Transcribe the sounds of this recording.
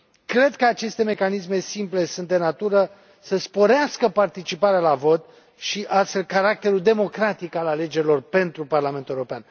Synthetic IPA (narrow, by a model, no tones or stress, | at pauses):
kɾe̞d̪kəat͡ʃe̞st̪e̞me̞kanisme̞simple̞sunt̪̚d̪e̞nat̪uɾə | səspo̞ɾeaskəpart̪it͡ʃipaɾealavo̞t̪̚ | ʃiʔasst̪fe̞lkaɾak̚t̪e̞ɾuld̪e̞mo̞kɾat̪ikalale̞d͡ʒe̞ɾʲilo̞rpe̞nt̪ɾuparlamenueoɾo̞pean